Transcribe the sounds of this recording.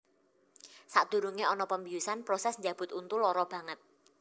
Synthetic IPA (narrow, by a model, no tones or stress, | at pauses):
saʔd̪̥ṳɾuŋeɔnɔpəmbijusanpɾɔsɛsɲd͡ʒab̥ʊ̤t̪unt̪ʊlɔɾɔb̥ä̤ŋət̪̚